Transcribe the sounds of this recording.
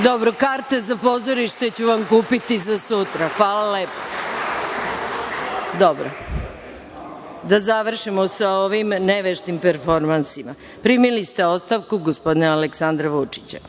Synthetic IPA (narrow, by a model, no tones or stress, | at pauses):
d̪obɾokaɾt̪e̞zapo̞zoɾiʃt̪e̞t͡ɕuʋamkuːpit̪izasut̪ɾaxʋaːlalepo̥ | d̪obɾo | d̪azaʋr̩ʃimosaoʋimneʋeʃt̪impeɾfo̞ɾmansima | pɾimilist̪eot̪st̪aʋkuɡospo̞d̪inealeksand̪ɾaʋut͡ʂi̥t͡ɕa̰